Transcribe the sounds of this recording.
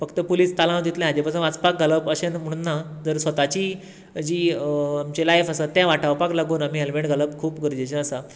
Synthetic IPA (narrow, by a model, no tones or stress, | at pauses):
fəkt̪əpoliːst̪alãwd̪ʱit̪lẽɦad͡ʑepasə̃nat͡spak̚ɡələpəɕenm̤əɽ̃unːad͡zəɾsʋət̪at͡ɕiː | d͡ʑiːamt͡ɕelajfəsat̪ːjãʋaʈʰawpaklaɡuːnamiːɦelʋeɳʈɡʱələpkʰuːpɡəɾd͡ʑet͡ɕeəsa